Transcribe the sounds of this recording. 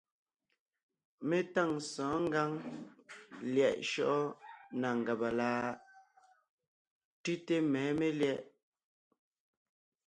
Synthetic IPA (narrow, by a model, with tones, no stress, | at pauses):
me˦ta˦˨ŋsɔ̃ː˨˦ŋ˦ɡa˦ŋ | ljɛ˨ʔʃɔ˦ʔɔ˦na˨ŋ̩˨ɡa˨ba˨laː˦ | tʉ˦te˦mɛː˨˦me˦ljɛ˦ʔ